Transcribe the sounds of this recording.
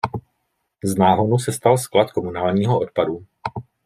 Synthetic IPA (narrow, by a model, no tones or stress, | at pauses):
znaːɦodusɛst̪alsklat̪komunaːlɲiːɦoot̪̚padu